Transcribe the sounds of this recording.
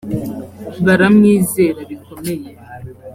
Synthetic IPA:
βaɾamŋiːze̞ːɾaβiko̞me̞je

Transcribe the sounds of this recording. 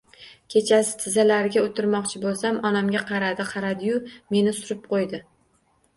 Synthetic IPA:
kʲʰe̞t͡ʃʰasɪ̥t̪ʰɪzalaɾɪɡʲaot̪ʰɪɾmɒqt͡ʃʰɪbolˠsamɒnamɡʲaqʰɑɾad̪ɪqʰɑɾad̪ɪjʊme̞nɪsʊɾɪp̚qʰojd̪ɪ

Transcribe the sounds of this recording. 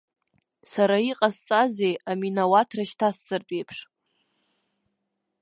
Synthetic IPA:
saɾaiqʼast͡sʼazejaminawatʰraʃtʰast͡sʼɨrt͡pʼejpʰʂ

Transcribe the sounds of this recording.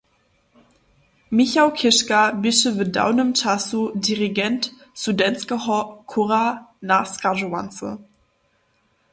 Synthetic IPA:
miçakʰɪʃkabɪʃəvəda̰ʊnəmt͡ʃasudiʁiɡɛntsudɛnskəɔkʰuʁanaskaʒua̰nt͡sə̰

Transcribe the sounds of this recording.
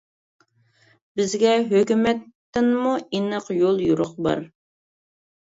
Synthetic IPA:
bɪzɡʲɛɦøkʲymɛt̪ːɪnmuinəqjolˠjuɾʊq̚bɑ̰ɾ

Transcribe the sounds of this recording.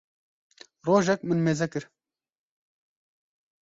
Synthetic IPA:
roːʒɛk̚mɨnmeːzɛkɨɾ

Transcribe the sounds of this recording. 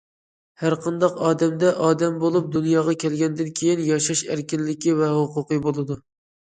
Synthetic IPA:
hæɾqʰɑnd̪ɑqɑːd̪ɛmd̪ɛʔɑːd̪ɛmbolˠup̚d̪unjɑːʁɑkʲʰɛlɡʲɛnd̪ɪnkʲʰejinjɑʃɑʃæɾkʲinlɪkʲivɛɦʊqʊqɨbolˠɨd̪u

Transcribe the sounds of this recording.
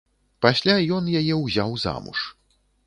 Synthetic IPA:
pasʲlʲajɔnjajɛwzʲawza̰mṵʂ

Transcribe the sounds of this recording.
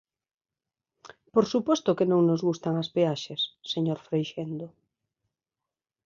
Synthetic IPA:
poɾsupost̪okenõŋnozɣust̪aŋaspeaʃesːeɲoɾfɾejʃend̪o

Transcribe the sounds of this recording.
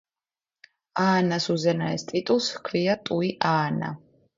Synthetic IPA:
aːnasuzɛnaɛst̪ʼit̪ʼulˠskʰviat̪ʼuiʔaːna̰

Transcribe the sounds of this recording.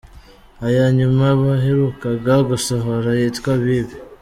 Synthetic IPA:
ajaɲumaβaɦeɾukaɡaɡusoɦoɾajitkwaβiβi

